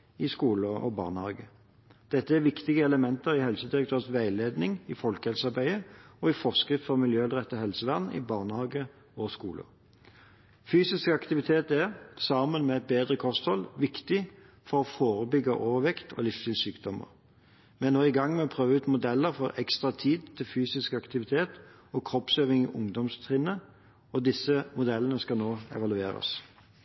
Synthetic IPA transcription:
ɪskuːləɔ̰bɑ̰ːnəhɑ̰ːɡə | d̪̥ɛt̪ːəæʁʋɪkt̪ɪɡəɛləmɛnt̪əʁɪhɛlsəd̪ɪʁək̚t̪ʰøːʁsʋæɪleːd̪nɪŋɪfɔlkəhɛlsɑʁbæɪəɔɪfɔʁskɾɪft̪fɔʁmɪljøːɑlʁɛt̪ːəhɛlsəʋæʁnɪ̰bɑːʁnəhɑːɡə | ɔskuːlə̰ | fyːsɪskɑkt̪ɪʋɪt̪ʰeːt̪ɛʁsɑmənmɛɛt̪̚beːd̪ʁəkʰɔst̪hɔlʋɪkt̪ɪ | fɔʁɔfoːʁəbʏɡəʔoːʋəʋɛkt̪ʰɔ̰lɪfst̪ɪlsyːkd̪ɔmə̰ʁ | mɛnnoːɪɡɑŋːmɛɔpʰʁøːʋəʉːt̪mʊd̪ɛlːəʁfɔʁɛkst̪ʁɑt̪ʰiːd̪t̪ʰɪlfyːsɪskɑkt̪ɪʋɪt̪ʰeːt̪ | ɔkʰʁɔpsøːʋɪŋiːʔʊŋd̪ɔmst̪ʰʁɪnə | ɔd̪ɪsːəmʊd̪ɛlənəskɑnoːɛ̰ʋɑlʉeːɾɑ̰s

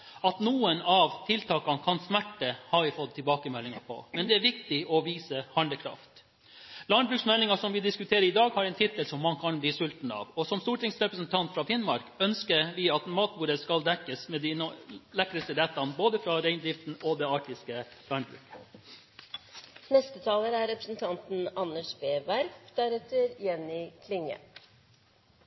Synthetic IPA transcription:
ɑt̪nuːənɑʋt̪ʰɪlt̪ʰɑːkɑnkʰɑnsmæʈːəhɑʋɪfɔt̪ʰːɪlbɑːkəmɛlːɪŋɑpʰɔ̰mɛnd̪ɛæɾʋɪkt̪ɪʔɔʋiːsəhɑɳɖ̪əkʰɾɑ̰ft̪ | lɑɳbɾʉːksmɛlːɪŋɑsɔmʋɪd̪ɪskʉt̪ʰeːɾəɾɪd̪ɑːɡhɑɾɛɪnt̪ʰɪt̪ːəlsɔmːɑnkʰɑnbliːsʉlt̪n̩ɑ̰ːʋɔsɔmst̪uːʈʰɪŋsɾɛpɾəsənt̪ʰɑnt̪fɾɑfɪnmɑɾkœnskəɾʋɪːɑt̪mɑːt̪̚buːɾəskɑld̪ɛkːəsmɛːd̪inlɛkːɾəst̪əɾɛt̪ːɑnboːd̪əfɾɑɾæɪnd̪ɾɪft̪n̩od̪ɛːɑːʈɪskəlɑɳbɾʉ̰ːkə̥ | nɛst̪ət̪ʰɑːləɾæɾɾɛpɾəsn̩t̪ʰɑnt̪n̩ɑnːəʂbeːbæɾfd̪̥æɾɛt̪əɾjɛnːɪkʰlɪŋːə̰

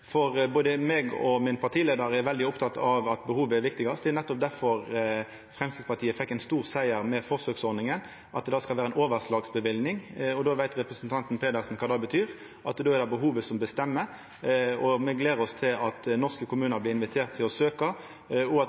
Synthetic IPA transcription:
fɔʁboːd̪əmeːɡɔ̰mɪnpʰɑʈ̪iːleːd̪əɾæɾʋɛld̪ɪʊpt̪ʰɑt̪ːɑʋɑt̪bəhuːʋəɛɾʋɪkt̪ɪɡɑst̪d̪ɛnɛt̪ːɔp̚d̪æɾfɔʁ | fʁɛmst̪ɪspɑʁt̪ʰiːəfɛkːæɪnst̪uːʁsæɪəɾmɛfɔsøːksɔɾnɪŋən | ʔɑt̪̚d̪ɛd̪ɑːskɑlʋæːɾəɛnoːʋəɾslɑːɡsbəʋɪlnɪŋɔd̪oːʋæɪt̪ɾɛpɾəsənt̪ʰɑnt̪n̩pʰeːd̪əɾsn̩kʰɑːd̪ɑːbət̪ʰyːɾ | ʔɑt̪d̪oːɛɾd̪ɛbəɦuːʋəsɔmbəst̪ɛmːə | ɔmɛɡleːɾəɔst̪ʰɪlɑt̪nɔʁskəkʊmʉːnəɾblɪɪnʋɪt̪ʰeːʁt̪ʰːɪlɔsøːkɑ | ɔɑ

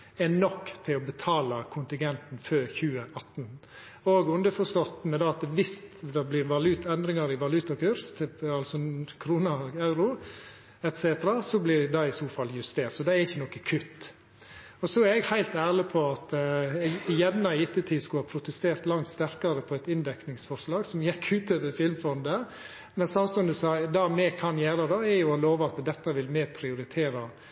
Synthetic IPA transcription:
ɛnɔkːt̪ʰɪlɔbət̪ʰɑːlɑkʰʊnt̪ɪŋɡɛnt̪n̩føːçʉːəʔɑt̪ːn | oːɡʉnd̪əfɔʂt̪ɔt̪ːənəd̪ɑɑt̪ʋɪsd̪ɑblɪɾʋɑlʉːt̪ɛnd̪ɾɪŋɑɾɪʋɑlʉːt̪ɑkʉɾst̪ʰɪɑlsɔkʰɾuːnɑɑʉɾʊ | ɛt̪seːt̪əɾɑsɔblɪd̪ɑɪsuːfɑlːjʉst̪eːɾt̪sɔd̪ɛɛɾɪçːənɔkːəkʰʉt̪ː | ɔsɔæɾɛɡhæɪlt̪æːɾɭɪpʰɔɑt̪ | ɪjɛnːɑɪɪt̪ːət̪ʰiːskʉhɑpʰɾʊt̪əst̪eːɾt̪lɑŋt̪st̪æɾkɑɾəpʰɔɛt̪ɪnd̪ɛknɪŋsfɔɾʂlɑːɡsɔmjɛkʰːʉːt̪ɛʋ̪əfɪlmfɔnd̪ə | mɛnsɑmst̪ʉənd̪əsɑd̪ɑmɛkʰɑnjæːɾɑd̪ɑɛɾjʊɔloːʋəɑt̪d̪ɛt̪ːɑʋɪlmɛːpʰɾɪʊɾɪt̪ʰeːɾɑ

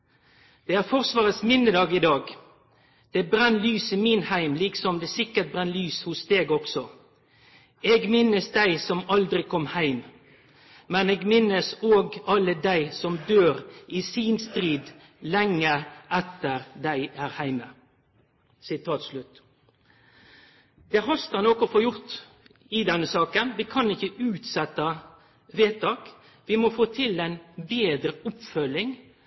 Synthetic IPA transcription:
d̪̥ɛæːfɔʁsʋɑːʁət̪smɪnd̪əd̪ɑːɡɪd̪ɑːɡ | d̪̥ɛbɾɛnːlyːsiminhæɪmliːksɔmd̪ɛːsɪkːət̪̚bʁɛnːlyːshʊsd̪eːɡɔksɔ | eɡmɪnəsd̪æɪsɔmɑld̪ɾɪkʰɔmhæɪm | mɛneːɡmɪnːəsoːɡɑləd̪æɪsɔmd̪øːɾisiːnst̪ʁiːd̪ | lɛŋːəʔɛt̪əɾd̪æɪʔæɾhæɪmə | sɪt̪ʰɑːt̪slʉt̪ | d̪̥ɛɦɑst̪ənɔkɔfoːjʊɾt̪ | ɪd̪ɛnːəsɑːkənʋɪkʰɑnɪçəʉːt̪sɛt̪ːɑ | ʋeːt̪ʰɑːk | ʋɪmɔfoːt̪ʰɪlɛɪnbeːd̪ɾəɔpfœlɪŋ

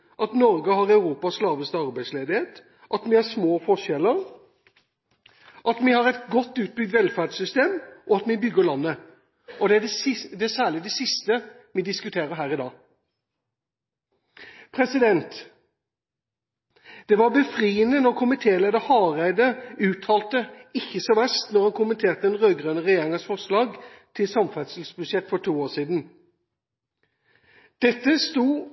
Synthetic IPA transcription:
ʔɑt̪nɔɾɡəɦɑʁɑʉɾuːpɑsslɑːʋəst̪əɑʁbæɪsleːd̪ɪheːt̪ | ʔɑt̪mɪhɑsmoːfɔʂɛləɾ | ʔɑt̪mɪhɑɾɛɪt̪ɡɔt̪ːʉːt̪̚bʏɡ̚d̪ʋɛlfæːɖsʏst̪eːmʔɔɑt̪mɪbʏɡːəlɑnːə | ɔd̪ɛɖ̪sɪd̪ɛæsæːʁɭɪd̪ɛsɪst̪ə | mɪd̪ɪskʉt̪ʰeːɾəɾɦæːɾɪd̪ɑː | pʰʁɛsɪd̪ɛnt̪ | d̪̥ɛʋɑbəfʁiːənənɔʁkʰʊmɪt̪ʰeːleːd̪əhɑːʁæɪd̪əʉːt̪ʰɑːlt̪əɪçːəsɔʋæst̪nɔʁhɑnkʰʊmənt̪ʰeːʁt̪əɛnʁøːɡʁøːnəʁɛjeːʁɪŋɑsfɔʁslɑːɡ | t̪ʰɪlsɑmfæt̪səl̩sbʉsjɛt̪ːfɔʈʰuːoːʁsiːd̪n̩ | d̪̥ɛt̪ːəst̪uː

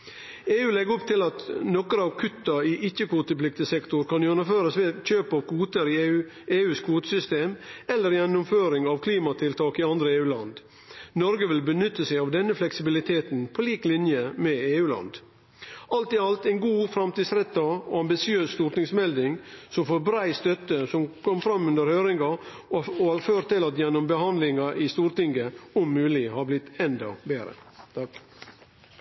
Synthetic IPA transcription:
eːʉːlɛɡʊpt̪ʰɪlɑt̪nɔkəɾɑːʋkʰʉt̪ːɑɪʔɪçːəkʰʋuːt̪əplɪk̚t̪əsɛkt̪ʊɾkɑnjʉɛnəføːɾəsʋeçøːpɑʋkʰuːt̪əɾɪ | ʔeːʉːskʰʋuːt̪əsʏst̪eːmɛlːəɾjɛnːʊmføːɾɪŋɑʋkʰliːmɑt̪ʰɪlt̪ʰɑːkɪɑnd̪ɾəeːʉːlɑ̰nd̪ | nɔɾɡəʋɪlbənʏt̪ːəsæɪɑʋd̪ɛnːəflɛksɪbɪlɪt̪ʰeːt̪npʰoliːklɪnjəmɛeːʉːlɑ̰nd̪ | ʔɑlt̪ɪɑlt̪æɪnɡuːfɾɑmt̪iːd̪sɾɛt̪ːɑoːɑmbɪsɪøːsst̪uːɾt̪ɪŋsmɛld̪ɪŋsɔmfoɾbɾæɪst̪œt̪əsɔmkʰɔmfɾɑmːʉnd̪əɾhøːɾɪŋɡɑ | oɑføːɾt̪ɪlɑt̪jɛnːʊmbəhɑnd̪lɪŋɑʔɪst̪uːɾt̪ɪŋɡəʊmːʉːlɪhɑɾblɪt̪ːɛnd̪ɑ̰beːɾə̰t̪ʰɑk

